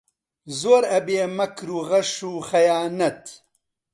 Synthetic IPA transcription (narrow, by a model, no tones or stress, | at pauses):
zoːɾɐbeːmɐkɾuːɣɐʃuːxɐjaːnɐt̪